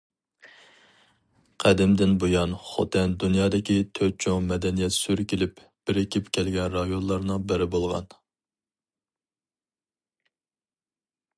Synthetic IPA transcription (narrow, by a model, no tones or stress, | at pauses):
qʰæd̪ɪmd̪ɪnbojɑnχo̰t̪ʰɛnd̪unjɑːd̪ɪkʲit̪ʰøɾt͡ʃʰomɛd̪ɛnijɛt̪syɾkʲilɪp | b̥ɪɾɪkʲʰipkʲʰɛlɡʲɛnɾɑjonlˠɑɾnɨŋbɪɾɪbolˠʁɑ̰n